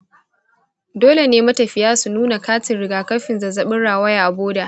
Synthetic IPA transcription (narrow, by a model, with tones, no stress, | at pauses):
doː˦le˨neː˦mɐ˦tɐ˨ɸɪ˨jaː˦su˨nuː˦na˨kaː˦t͡ʃɪ˨nɽɪ˨ɡaː˨kɐ˦ɸɪ˨nzɐ˨zɐ˦ɓɪ˦ɽːaː˨wɐ˦ja˨ʔa˨boː˦da˨ʔ